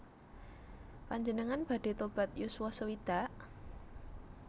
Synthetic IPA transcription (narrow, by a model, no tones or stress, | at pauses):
paɲd͡ʒənəŋanb̥a̤ɖ̥e̤t̪ob̥a̤t̪jusuasəwid̪̥a̤ʔ